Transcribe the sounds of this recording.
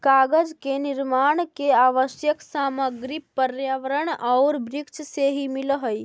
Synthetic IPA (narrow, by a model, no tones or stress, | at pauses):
kaːɡəd͡ʒkenɪɾmaːɳ̃keaːʋəʃjəksaːməɡɾipəɾjaʋəɾəɽɐʊɾbɾɪkʃʰseɦimiləɦəj